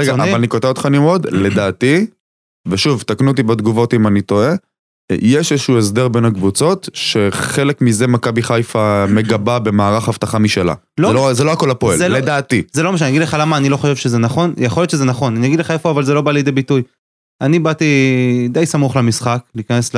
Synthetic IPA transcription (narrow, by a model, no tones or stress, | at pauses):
ʁeɡavalanikot̪evot̪χanimod̪le̞d̪aːt̪i | veʃuvt̪aknut̪̬ibed̪ɡuvo̞t̪imanit̪o̞e̞ | jeʃeʃuues̬d̪e̞ʁbe̞nakbut͡so̞t̪ʃe̞χe̞lekmize̞makabiχajfame̞ɡababe̞maːʁaχhavt̪aχamiʃela̰ | loelozeloako̞lhapoelled̪aːt̪izelomaʃ̬anaɡid̪leχalamaːnilo̞χoʃevʃezenaχo̞njeχoljott͡ʃʃezenaχo̞nanijaɡid̪leχaefoavalzelo̞balijed̪ebituj | anibat̪id̪ejsamuχlemisχakliːkanesl